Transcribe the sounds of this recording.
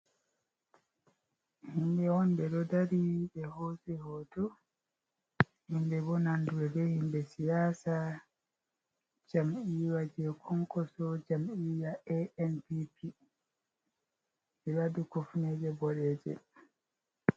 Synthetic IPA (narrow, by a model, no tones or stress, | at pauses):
himbɛhɔnbɛɗɔdaɾiɓɛhoːsɛhɔdɔ | himbɛbɔnanduɾɛdɛhimbɛsijaːsa | d͡ʒamʔiːwad͡ʒɛkʰɔŋkɔsɔd͡ʒamiːjaʔɛʔɛnpipʰi | ɛɾadukofnɛd͡ʒɛbɔɗɛːd͡ʒɛ̰